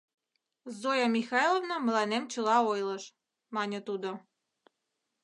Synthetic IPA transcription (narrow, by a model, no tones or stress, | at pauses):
zojamʲixɑjlˠovnamɤ̆lˠɑnɛmt͡ɕulˠɑojlˠɤʃ | mɑnʲət̪ud̪ɔ